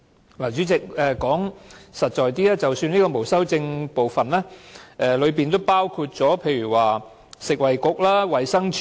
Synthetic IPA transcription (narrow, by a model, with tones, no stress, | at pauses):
laː˨˩t͡ʃy˨˥t͡sɪ˨k̚ɛː˨˧kɔː˨˥ŋsɐ˨t̚t͡ʃɔː˨jt̪iː˥laː˥t͡sɐ˨wsyː˧nliː˥kɔː˧mo˨˩wsɐ˥wt͡sɪ˧ŋpo˨wfɐ˨nlɛː˥ʔɛː˨˧lɵ˨˧ɥp̬iː˨nt̪o˥wpaː˥wkʰu˧t̚t͡sɔː˨˥pʰe˧jɥyː˨˩waː˨ | sɪ˨k̚wɐ˨jkʊ˨k̚laː˥wɐ˨jsɐ˥ŋt͡ʃʰ